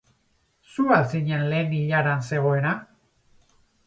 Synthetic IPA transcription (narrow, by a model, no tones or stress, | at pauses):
sualsiɲe̞nle̞ːniʎaɾanse̞ɣ̞o̞e̞ɾa